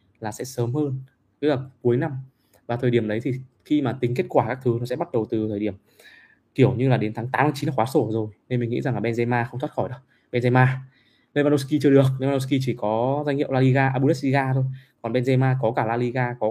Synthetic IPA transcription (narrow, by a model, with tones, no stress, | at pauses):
laː˨˩sɛ̰˧˥səː˨˦mhəː˧n | kə˦˥k̚laː˨˩ku˨˦jna˧m | vaː˨˩t̪ʰəː˨˩jɗi˧˩əmɗə˨˦jt̪ʰi˨˩ | xi˧maː˨˩t̪ï˨˦ŋ̟ke˦˥t̚kwaː˧˩kaː˦˥k̚t̪ʰɨ˨˦nɔ˨˦sɛ̰˧˥ɓa˦˥t̚ɗə˨˩wt̪ɨ˨˩t̪ʰəː˨˩ɗi˧˩əm | ki˧˩əwɲɨ˧laː˨˩ɗe˨˦nt̪ʰaː˨˦ŋtaː˨˦mt̪ʰːt͡ɕi˨˦na˨˧xwaː˨˦so˧˩zo˨˩jne˧nmï˨˩ŋŋḭ˧˥za˨˩ŋlaː˨˩ɓɛ˧nzɛ˧maː˧xə˧wŋ͡mt̪ʰwa˦˥t̚xɔ˧˩jɗə˨˦ | ɓɛ˧nzɛ˧maː˧ | le˧va˧no˧ski˧t͡ɕɨ˧əɗɨ˨˩ək̚le˧va˧no˧˥ski˧t͡ɕi˧˩kɔ˨˦za˧jŋ̟hḭ˧˨wla˧li˧ɣaː˧ʔaː˧ɓu˧lɛ˦˥si˧ɣaː˧t̪ʰo˧jkɔ˨˩nɓɛ˧nzɛ˧maː˧kɔ˨˦kaː˧˩laː˧li˧ɣaː˧kɔ˨˦